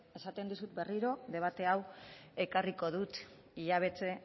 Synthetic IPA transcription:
e̞sat̪end̪usut̪̚be̞riɾo̞ðe̞β̞at̪e̞awe̞kariko̞ðut̪ | iʎaβ̞e̞t͡se̞

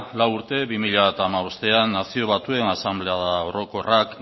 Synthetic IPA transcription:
lawuɾt̪e̞βimiʎaβat̪aːmaβo̞st̪e̞anːasio̞β̞at̪ue̞nasamble̞aðao̞ɾo̞ko̞rʔak

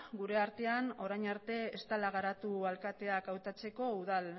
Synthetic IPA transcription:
ɡuɾe̞aɾt̪e̞ano̞ɾajɲaɾt̪e̞est̪alaɣaɾat̪ualkat̪e̞akawt̪at͡se̞ko̞uðal

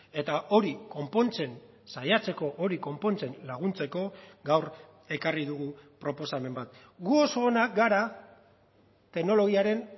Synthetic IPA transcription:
e̞t̪aʔo̞ɾiko̞mpo̞nt͡se̞n | sajat͡se̞ko̞ʔo̞ɾiko̞mpo̞nt͡se̞nlaɣ̞unt͡se̞ko̞ɡawr | e̞kariðuɣupɾo̞po̞same̞mbat̪ | ɡuosoːnaɡaɾa | t̪e̞ɣno̞lo̞ɣ̞iaɾe̞n

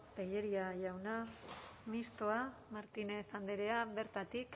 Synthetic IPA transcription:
pe̞jeɾiaʝawnamist̪oamaɾt̪inefand̪eɾeaβe̞ɾt̪at̪ik

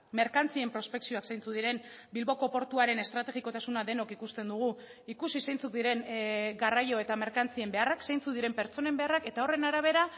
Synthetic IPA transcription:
me̞ɾkant͡sie̞mpɾo̞spe̞ksio̞aksejnt͡suðiɾe̞n | bilβo̞ko̞po̞ɾt̪uaɾe̞ne̞st̪ɾat̪e̞ɣiko̞t̪asunaðe̞no̞kikust̪e̞nd̪uɣ̞u | ikusisejnt͡suk̪̚d̪iɾe̞ŋɡarajo̞e̞t̪ame̞ɾkant͡sie̞mbe̞araksejnt͡sukðiɾe̞mpe̞ɾt͡so̞ne̞mbe̞arake̞t̪ao̞re̞naɾaβ̞e̞ɾa

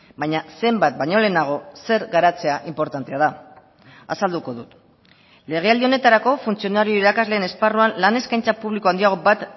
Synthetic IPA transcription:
bajɲase̞mbat̪̚bajɲo̞le̞naɣ̞o̞se̞ɾɣaɾat͡se̞aʔimpo̞ɾt̪ant̪eað̞a | asald̪uko̞ðut̪ | le̞ɣ̞e̞ald̪io̞ne̞t̪aɾako̞funt͡sio̞naɾio̞iɾakazle̞ːne̞sparuanlane̞skajnt͡sapuβlikoand̪iaɣo̞bat̪

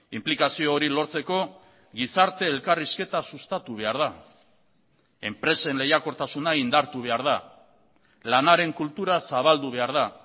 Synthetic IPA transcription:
implikasioːɾilo̞ɾt͡se̞ko̞ | ɣisaɾt̪e̞ːlkariske̞t̪asust̪at̪uβ̞e̞aɾða | e̞mpɾe̞se̞nle̞jako̞ɾt̪asunaind̪aɾt̪uβe̞aɾð̞a | lanaɾe̞ŋkult̪uɾasaβ̞ald̪uβ̞e̞aɾð̞a

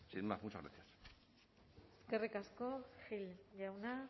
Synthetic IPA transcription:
sinemamut͡ʃaɣɾa̰sias | eske̞rikasko̞xilʝawna

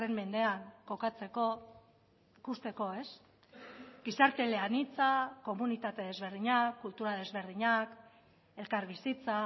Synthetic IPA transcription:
ɾe̞mmːe̞nd̪e̞aŋko̞kat͡se̞ko̞ | ikust̪e̞ko̞e̞s | ɡisaɾt̪e̞le̞anit͡sako̞munit̪at̪e̞ðe̞zβe̞ɾðiɲakːult̪uɾaðe̞zβe̞ɾðiɲak | e̞lkaɾβisit͡sa

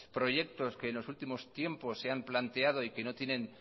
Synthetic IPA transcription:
pɾo̞ʝe̞kt̪o̞ske̞ːnlo̞sult̪imo̞st̪je̞mpo̞sːe̞amplant̪e̞að̞o̞ike̞no̞t̪je̞nẽ̞n

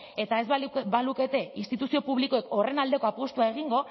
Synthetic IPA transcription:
e̞t̪ae̞zbaluke̞t̪e̞inst̪it̪usio̞puβliko̞e̞ko̞re̞nald̪e̞ko̞apost̪uae̞ɣ̞iŋɡo̞

